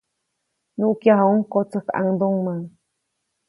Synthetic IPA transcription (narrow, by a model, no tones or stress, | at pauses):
nuʔkjaɦauŋkot͡səka̰ŋd̪oŋmaŋ